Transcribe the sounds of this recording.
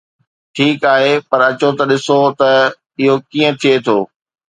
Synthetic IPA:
ʈʰiːkaːɦepɐɾɐt͡ɕot̪ɐɗɪsot̪ɐ | ɪɦokiːə̃t̪ʰijet̪ʰoː

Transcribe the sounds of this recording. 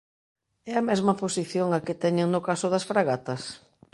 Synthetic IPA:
ɛɐmɛzmɐposiθjoŋakɪt̪ɛɲeŋnʊkasʊðɐsfɾaɣat̪ɐs

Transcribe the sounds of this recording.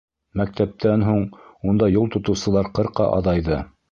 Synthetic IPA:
mæk̚t̪æp̚t̪ʰænɦuɴund̪ɑjulˠt̪ŏt̪ɤ̆wsɤ̆lˠɑɾqɤ̆ɾqɑ̰ʔɑ̰ðɑjðɤ

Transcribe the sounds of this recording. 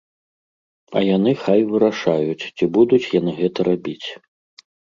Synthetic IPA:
ɐ̰janɨxajvɨɾaʂajut͡sʲt͡sʲibud̪ut͡sʲjan̪ɨɣɛt̪ɐɾabʲit͡sʲ

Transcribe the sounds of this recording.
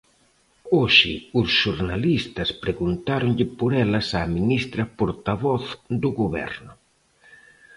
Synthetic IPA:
oʃɪ̰ʊsʃuɾnalist̪ɐspɾeɣunt̪aɾʊŋʎɪpoɾɛlɐsaminist̪ɾɐpoɾt̪aβɔθd̪ʊɣoβɛ̰ɾnʊ

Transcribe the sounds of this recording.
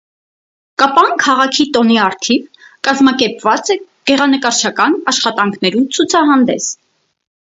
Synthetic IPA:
kɑpɑnkʰɑʁɑkʰit̪ɔniɑɾt̪ʰivkɑzmɑkɛɾpvɑt͡sɛɡ̥ɛʁɑnəkɑɾt͡ʃʰɑkɑnɑʃχɑt̪ɑŋkʰnɛɾumt͡sʰut͡sʰɑɦɑnd̪ɛs

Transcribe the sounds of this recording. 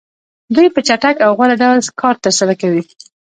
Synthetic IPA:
d̪ujpət͡ʃaʈakawɣwalaɖawlkɑɾt̪əɾsalakawi

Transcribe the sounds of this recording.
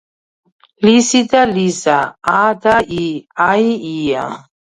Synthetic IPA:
lisid̪alizaad̪aʔiaiia̰

